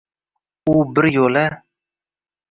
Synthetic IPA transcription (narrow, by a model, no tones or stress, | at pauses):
ubɪɾjola